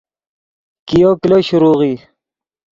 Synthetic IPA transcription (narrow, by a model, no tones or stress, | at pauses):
kijokiloɕuɾuːɣiː